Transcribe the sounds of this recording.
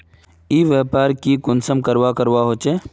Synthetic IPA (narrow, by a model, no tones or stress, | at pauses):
iːʋɛːpaːɾkikʊnsəmkəɾʋakəɾʋaɦoːt͡ʃe